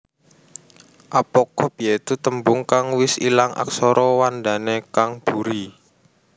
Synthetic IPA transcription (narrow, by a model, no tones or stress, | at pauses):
ʔapɔkɔb̥ijet̪ut̪əmbʊŋkaŋwɪsḭlaŋʔa̰ksɔɾʔɔwand̪anekaŋb̥uɾi